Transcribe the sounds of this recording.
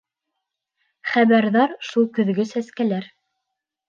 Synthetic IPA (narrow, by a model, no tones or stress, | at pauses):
χæβæɾðɑɾʃulˠkɵ̆ðɡɵsæskælæɾ